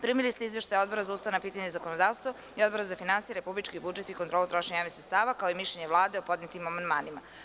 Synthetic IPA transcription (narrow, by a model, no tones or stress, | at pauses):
pɾimilist̪eizʋeʃt̪ajo̞d̪bo̞ɾazaust̪aʋnapiːt̪aɲezakonod̪aːʋst̪ʋo | io̞d̪bo̞ɾazafinansijeɾe̞publit͡ʃkibud͡ʒet̪ikont̪ɾolˠut̪ɾoʃeɲaːʋisɾest̪aːʋakao̞imiʃʎeɲeʋlˠaːd̪e̞opo̞d̪net̪imamand̪maːnima